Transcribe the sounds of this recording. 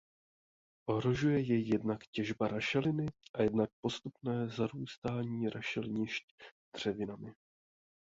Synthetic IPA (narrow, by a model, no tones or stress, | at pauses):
ʔo̞ɦɾo̞ʒujɛjɛjːɛdnakcɛʒbaɾaʃɛlɪnɪʔajɛdnak̚po̞st̪upnɛːzaɾuːst̪aːɲiːɾʔaʃɛlɲɪʃcd̪r̝̥ɛvɪnamɪ